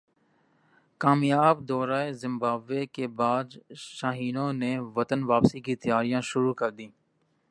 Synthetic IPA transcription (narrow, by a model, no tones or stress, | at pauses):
kaːmjaːbd̪ɔːɾaːezɪmbaːbʋeːkeːbaːd͡ʒ̪ʃaːɦiːnõːneːʋət̪ənʋaːpsiːkit̪əjaːɾijãːʃʊɾuːkəɾd̪ĩː